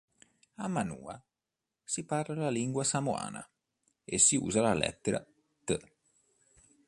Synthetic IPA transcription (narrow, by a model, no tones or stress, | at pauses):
amːanṵːa | siparlalaliŋɡwasamoa̰ːna̰ | esːiṵːzalalɛ̰t̪ːeɾa̰ | t̪ə